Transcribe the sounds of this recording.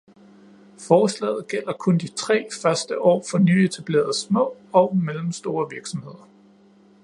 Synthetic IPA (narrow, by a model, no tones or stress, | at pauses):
fɒːslɛ̰ːð̩ˠɡ̥el̰ɐkʰɔ̽nd̥it͡sʰʁɛ̰ːfɶɐsd̥əʔɒ̰ːfɒ̽nyːe̝t͡sʰæb̥le̝̰ːɐð̩ˠsmɔ̰̽ːɒʊmelm̩sd̥o̝ːɐʋiɐɡ̥sɒ̽mhe̝ð̞̰ˠɐ